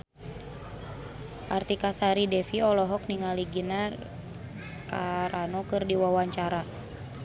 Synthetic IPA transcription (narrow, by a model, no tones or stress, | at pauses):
ʔart̪ikasaɾidɛfiɔlɔɦɔk̚niŋaliɡina | kaɾanɔkɨrdiwawaɲt͡ʃaɾa